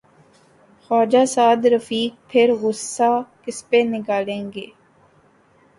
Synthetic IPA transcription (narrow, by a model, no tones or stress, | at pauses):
xɔːd͡ʒaːsaːd̪ɾəfiːk̚pʰeɾɣʊsːaːkɪspeːnɪɡaːlẽːŋɡeː